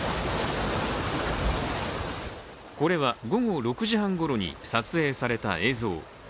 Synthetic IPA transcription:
ko̞ɾe̞βaɡo̞ɡo̞ɾo̞kɯ̟ʑiɦãŋɡo̞ɾo̞ɲ̟ḭsat͡sɨe̞ːsaɾe̞t̪a̰e̞ːzo̞̰ː

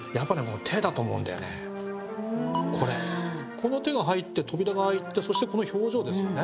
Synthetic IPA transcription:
japːaneko̞not̪ʰe̞d̪at̪oːmoɯ̟̃nd̪a̰jo̰nḛ | kʰo̞ɾe | kʰo̞no̞t̪e̞ɡaɦait̪ːe̞t̪o̞bʲiɾaɡahait̪ːe̞so̞ɕi̥t̪e̞ko̞noço̞ːʑo̞ːd̪e̞sɨjone

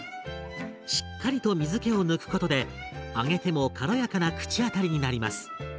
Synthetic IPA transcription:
ɕi̥kːaɾʲit̪o̞mʲizɨke̞o̞nɯ̟kɯ̟̥ko̞t̪o̞d̪e̞aɡe̞t̪e̞mo̞kʰaɾo̞jakanakɯ̟̥t͡ɕiat̪aɾʲiɲ̟inaɾʲimasɨ̥

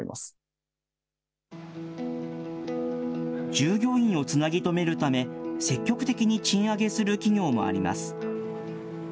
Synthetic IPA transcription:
ḭma̰sɨ̥ | d͡ʑɨːɡʲo̞ːĩɰ̃o̞t͡sɨnaɡʲit̪o̞me̞ɾɯ̟t̪ame̞se̞kʲːo̞kɯ̟t̪e̞kʲiɲ̟it͡ɕĩɰ̃aɡe̞sɨɾɯ̟kʲiɲʲo̞ːmo̞̰a̰ɾʲima̰sɨ̥

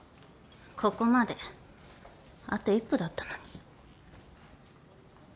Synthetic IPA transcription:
kʰokomad̪e̞ | a̰t̪oipːod̪at̪ːḁno̥

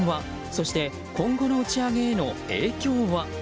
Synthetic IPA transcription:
βa | so̞ɕi̥t̪e̞ | kõ̞ŋɡo̞no̞ɯ̟t͡ɕiaɡe̞ːno̞e̞ːkʲo̞ːβa

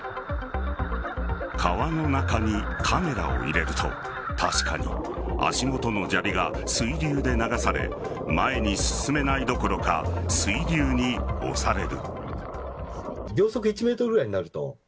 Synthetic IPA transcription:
kʰaβano̞nakaɲ̟ikʰame̞ɾa̰o̰ḭɾe̞ɾɯ̟t̪ʰo̞̰ | t̪ʰaɕi̥ka̰ɲ̟ḭ | a̰ɕimo̞t̪o̞no̞d͡ʑabʲiɡa | sɨiɾʲɨːd̪e̞naɡasaɾe̞̰ | mae̞ɲ̟isɨ̥sɨme̞naid̪o̞ko̞ɾo̞ka̰sɨiɾʲɨːɲ̟io̞̰saɾe̞ɾɯ̟̰ | ɡʲjo̞ːso̞k̬ɯ̟it͡ɕime̞ːt̪oɡɯɾaɲ̟inaɾɯ̟t̪o̞̰

